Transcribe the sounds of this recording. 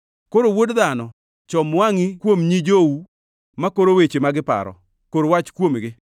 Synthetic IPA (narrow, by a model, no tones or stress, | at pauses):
koɾowodðanɔ | t͡ʃɔmwaŋikwomɲid͡ʒowu | makoɾowet͡ʃemaɡɪpa̰ɾɔ̰ | koɾwat͡ʃkwomɡɪ